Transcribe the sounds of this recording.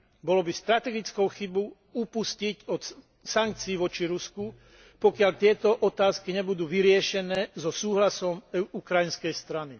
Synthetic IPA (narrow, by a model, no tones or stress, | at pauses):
bɔlɔbist̪ɾat̪ɛɡit͡skɔʊxibɔ | upusciɟɔt̪ | saŋk̚t͡siːʋɔt͡ʃiɾusku | pɔkɪaʎt̪ɪɛt̪ɔʔɔt̪aːskiɲɛbud̪uːʋiɾɪɛʃɛnɛːzɔsuːɦlasɔmɛukɾajinskɛjst̪ɾani